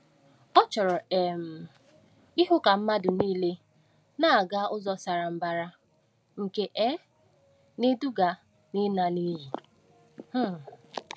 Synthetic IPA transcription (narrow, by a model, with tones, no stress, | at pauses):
ɔ˦t͡ʃɔ˨ɾɔ˨e˨m̩˨ | i˦ɦʊ˦ka˨m̩˦ma˦dʊ˨niː˦le˦ | na˦a˨ɡa˦ʔʊ˦zɔ˦sa˨ɾa˨m̩˦ba˨ɾa˦ | ŋ̩˨ke˨ʔɛ˦ | ne˦du˦ɡa˨ | ni˦na˨ni˦ɦi˨ | h̩˦